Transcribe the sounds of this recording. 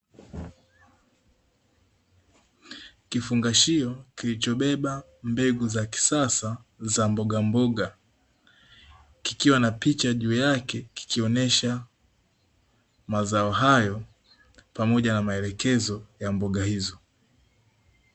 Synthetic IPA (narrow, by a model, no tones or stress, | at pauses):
kifuŋɡaʃiɔkilit͡ʃɔɓɛɓa | mbɛɡuzaki̥sasazambɔɡambɔɠa | kikiwanapit͡ʃaʄuːjakɛki̥kʰiɔnɛʃa | mazaɔɦajɔ | pamɔʄanamaɛlɛkɛzɔjambɔɠahizɔ